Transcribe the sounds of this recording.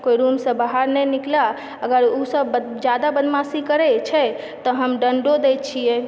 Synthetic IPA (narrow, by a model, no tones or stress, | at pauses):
koiɾumsə̃baɦaɾnɛjnikla | əɡəɾusəb | d͡ʒad̪abənmasikəɾɛt͡ʃʰɛ | t̪ɔɦəmɖəɳɖod̪ɛjt̪̚t͡ʃʰijɛ